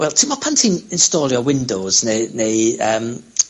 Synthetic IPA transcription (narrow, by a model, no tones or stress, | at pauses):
wɛlˠtʰɪmɔpʰantʰɪŋɪnstɔːɾjɔwɪndowz̥neneəːm